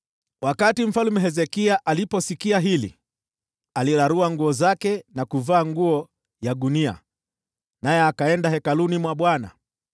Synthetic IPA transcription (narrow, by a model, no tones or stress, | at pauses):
wakatim̩falumɛɦɛzɛkiaʔalipɔsikiaɦilḭ | aliɾaɾuaŋɡuɔzakɛnakuvaːŋɡuɔ | jaɗunia̰ | najɛakaɛndahɛkalunimwaɓwana̰